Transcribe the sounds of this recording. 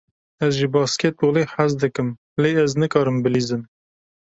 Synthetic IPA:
ɛzʒibɑːskeːt̪oːleːħazd̪ɨkɨm | leːɛznɨkɑːɾɨmbɨliːzɨn

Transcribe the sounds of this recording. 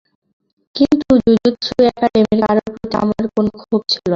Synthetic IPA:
kint̪ud͡ʑud͡ʑit̪ʃʰuoɛkaɖemeɾiaɾopot̪a̰maɾkonokʰub̚t͡ɕʰilo

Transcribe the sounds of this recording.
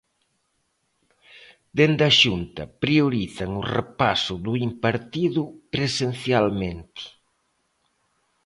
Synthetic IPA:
d̪end̪aʃunt̪ɐpɾioɾiθɐŋʊrepasʊðʊimpaɾt̪iðʊkɾesen̟θjalment̪ɪ̥

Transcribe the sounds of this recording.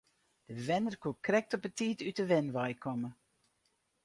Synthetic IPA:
d̥əvɛnərkokrɛk̚tɔpətiːtytdəʋɛnʋɑjkʰɔmə

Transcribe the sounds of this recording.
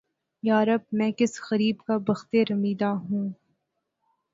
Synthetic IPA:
jaːɾɐb̚mɛ̃ːkɪsxɐɾiːbkabɐxt̪eɾɐmiːd̪aɦũː

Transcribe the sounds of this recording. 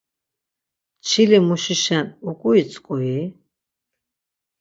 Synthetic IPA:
t͡ʃʰilimuʃiʃanukʼuit͡sʼkʼui

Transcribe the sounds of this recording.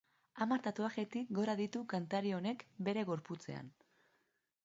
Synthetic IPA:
amaɾt̪at̪oaɣe̞t̪ikɡo̞ɾaðit̪ukant̪aɾio̞ne̞kbe̞ɾe̞ɣo̞ɾput͡se̞̰a̰n

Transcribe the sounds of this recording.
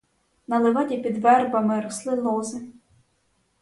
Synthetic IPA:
nɐlˠeʋɑdʲipʲid̪ʋɛrbɐmɪɾɔslˠɪlˠɔzɪ

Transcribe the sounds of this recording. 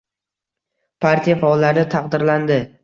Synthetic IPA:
pʰaɾt̪ʰijafaɔlːaɾɪt̪ʰɑqd̪ɪɾland̪ɪ

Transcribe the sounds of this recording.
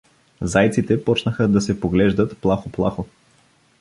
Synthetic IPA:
zajt̪sit̪ɛpɔt͡ʃnəxəd̪ɐsɛpoɡlɛʒd̪ət̪plˠaxoplˠaxo

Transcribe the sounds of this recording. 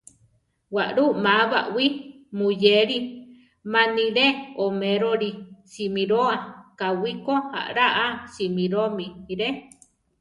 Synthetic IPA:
waʔɾumaβa̰ʔwi | mujeɾi | manĩɾeomeɾoɾisimiɾoakawikoha̰ʔɾaʔasimiɾomiiɾe

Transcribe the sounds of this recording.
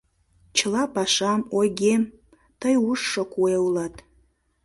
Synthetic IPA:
t͡ʃʰəlˠɑpɑʃɑmoɡʲem | t̪əjuʃːokueulɑt̪

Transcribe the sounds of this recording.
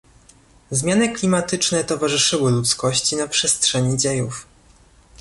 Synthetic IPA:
zmʲjanɘklʲimat̪ɘt͡ʂnɛt̪ɔvaʐɘʂɘwɘlut̪skɔɕt͡ɕinapʂɛstʂɛɲid͡ʑejuf

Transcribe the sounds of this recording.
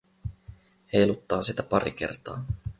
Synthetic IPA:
he̞jlut̪ːɑːsit̪æpɑɾḭk̟e̞̰rt̪ɑ̰ː

